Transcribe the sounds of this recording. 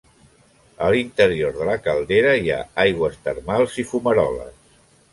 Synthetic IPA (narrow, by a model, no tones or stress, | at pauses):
əlint̪əɾioɾðələkəlˠd̪eɾəia̰ajɣwəst̪əɾmalˠzifuməɾɔlə̰s